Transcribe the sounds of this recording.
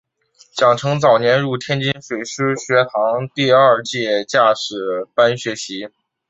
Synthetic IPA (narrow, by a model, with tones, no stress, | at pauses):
t͡ɕjɑ˨˩ŋʈ͡ʂʰɤ˧˥ŋt͡sɑ˨˩ʊnjɛ˧˥nɻu˥˩t̪ʰjɛ˥nt͡ɕi˥nʂwe˨˩ɪʂɻ̩˥ɕɥɛ˧˥t̪ʰɑ˧˥ŋt̪i˥˧ɐ˥˧t͡ɕjɛ˥˧t͡ɕja˥˩ʂɻ̩˨˩pa˥nɕɥɛ˧˥ɕi˧˥